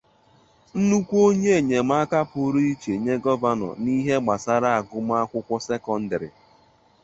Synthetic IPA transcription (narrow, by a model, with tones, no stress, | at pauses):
n̩˦nu˦kʷo˦ɲe˦˨ɲe˨m̩˦a˦ka˦pʊ˨˦ɾi˦i˦t͡ʃe˨ɲe˦ɡɔ˦va˦nɔ̰˨ni˦ɦe˦ɡ͡ba˨sa˦ɾa˦a˨ɡʊ˦m˦a˦kʷʊ˦kʷʊ˦se˦kɔ˦n̩˦dɪ˨ɾɪ̰˨